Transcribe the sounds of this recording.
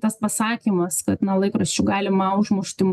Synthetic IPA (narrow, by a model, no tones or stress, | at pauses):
t̪ɐspɐsɑːkʲiːmɐskɐt̪nɐlˠɐɪkɾɐsʲt͡ʃʲʊɡɑːlʲɪmɐʊʒmʊʃʲt̪ʲɪm